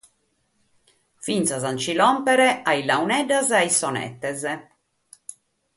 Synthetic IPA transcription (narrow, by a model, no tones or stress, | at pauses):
fint̪sazant͡ʃilɔmpɛɾɛailawnɛɖazaisɔnɛ̰t̪ːɛzɛ